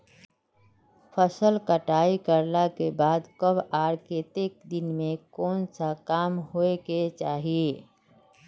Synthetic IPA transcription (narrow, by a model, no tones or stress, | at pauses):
pʰəsəlkəʈaːikəɾlakebaːd̪kəbaːɾket̪ɪk̚d̪ɪnmẽkɔːnsakaːmɦoeket͡ʃaːɦie